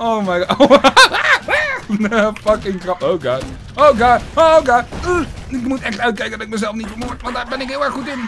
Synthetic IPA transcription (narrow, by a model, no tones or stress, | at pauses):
oʊmajɡɑo | wnəfɑkɪŋkrɑpowɡɑd | oʊɡɑdooɡɑ | ɪkmutɛχtœɥt̚kɛjkəndɔtɪkməzɛlˠfnitfəmoɹtʋɑndaːɹbɛnɪkɦɪːlˠɛɹχutɪn